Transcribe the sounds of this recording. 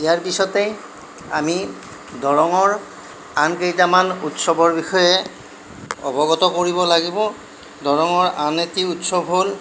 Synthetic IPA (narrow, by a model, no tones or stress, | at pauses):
ijaɹpisɔtej | ami | dʱɔɹɔŋɔɹ | ankejtamanutsɔbɔɹbixɔjɛ | ɔ̰bɔɡɔtɔkoɹibɔlaɡibɔ | dɔɹɔŋɔɹanetiutsɔbʱɦol